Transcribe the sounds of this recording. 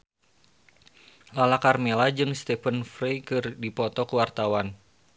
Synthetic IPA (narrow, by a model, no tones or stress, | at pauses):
lalakarmelad͡ʒɨŋst̪ɛfənfɾejkɨrdipɔt̪ɔkuwart̪awan